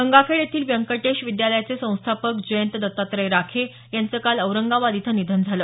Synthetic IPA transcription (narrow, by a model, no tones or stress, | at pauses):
əŋɡafʰeɭet̪ʰiːlʋjəŋkəʈeɕʋid̪jaləjat͡sesə̃w̃st̪ʰapəkd͡ʑəjənt̪əd̪ət̪ːat̪ɾəjɾakʰe | jant͡səkaləwɾəŋɡaʋad̪it̪ʰənid̪ʱənd͡zʱaləː